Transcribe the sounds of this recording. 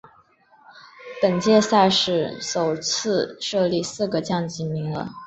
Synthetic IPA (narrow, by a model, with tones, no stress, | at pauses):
pə˨˩nt͡ɕjɛ˥˧sa˥˧ɪʂɻ̩˥˩ʂo˨˩ʊt͡sʰɹ̩˥˧ʂɤ˥˧li˥˧sɹ̩˥˩ɡə˩t͡ɕjɑ˥˩ŋt͡ɕi˧˥nmi˧˥ŋlə̰˧